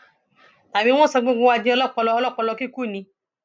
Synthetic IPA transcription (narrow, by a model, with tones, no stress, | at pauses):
t̪a˨bĩ˦w̃ɔ̃˦sa˧ɡ͡bẽ˦ɡ͡bõ˦wa˦d͡ʒĩ˦ɔ˦lɔ˦˨k͡pɔ˨lɔ˦ɔ˦lɔ˦k͡pɔ˨lɔ˧ki˦ku˦˨nĩ˧